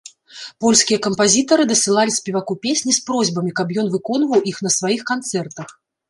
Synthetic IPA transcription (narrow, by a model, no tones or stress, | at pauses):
pɔlʲskʲijɐkɐmpazʲit̪ɐɾɨd̪ɐsɨlˠalʲisʲpʲɛvakupʲesʲnʲispɾɔzʲbɐmʲikɐpjɔn̪vɨkɔnvɐwixn̪ɐsvajixkant̪sɛrt̪ɐx